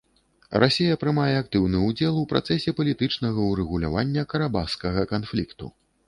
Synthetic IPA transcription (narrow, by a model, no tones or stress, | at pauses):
rʔa̰sʲejɐpɾɨmajɛak̚t̪ɨwnɨud͡zʲɛlˠupɾʔa̰t̪sɛsʲɛpɐlʲit̪ɨt͡ʂnɐɣɐuɾɛɣulʲa̰vanʲːɐkɐɾabawskɐɣɐkanflʲikt̪ṵ